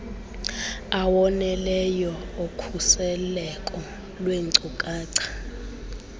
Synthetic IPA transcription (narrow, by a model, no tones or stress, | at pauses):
awɔnɛlɛjɔokʰusɛlɛkʼɔ | lweŋǀukʼaːǀʰḁ